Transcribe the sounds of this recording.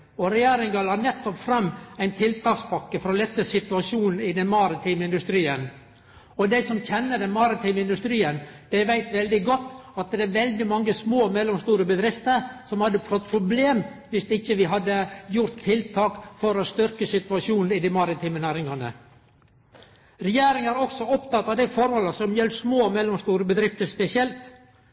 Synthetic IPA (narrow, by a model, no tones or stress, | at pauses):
ɔɾɛjæːɾɪŋɡɑlɑɾnɛt̪ːɔpfɾɑmːæɪnt̪ʰɪlt̪ʰɑːkspʰɑkːəfɔɾɔlɛt̪ːəsɪt̪ʉɑʂuːnn̩ɪd̪ɛnmɑːɾɪt̪ʰiːmɪnd̪ʉst̪ɾiːən | ɔd̪æɪsɔmçɛnːəɖ̪ɛnmɑɾɪt̪ʰiːmɪnd̪ʉst̪ɾiːənd̪̥æɪʋæɪt̪ʋɛld̪ɪɡɔt̪ːɑt̪̚d̪ɛæɾʋɛld̪ɪmɑŋːəsmoːmɛlɔmst̪uːɾəbəd̪ɾɪft̪əɾsɔmhɑd̪ːəpʰɾɔt̪̚pʰɾʊbleːmʋɪst̪ɪçːəʋɪɦɑd̪ːəjʊɾt̪ʰːɪlt̪ʰɑːkfɔɾɔst̪ʏɾkəsɪt̪ʉʋɑʂjuːnn̩ɪd̪ɪmɑɾɪt̪ʰiːmənæːɾɪŋɑnə̰ | ɾɛjeːɾɪŋæɾɔksɔɔpt̪ɑt̪ːɑːʋd̪æɪfɔɾhɔlːəsɔmjɛlːsmoːmɛlːɔmst̪uːɾəbəd̪ɾɪft̪əɾspɛsɪɛlt̪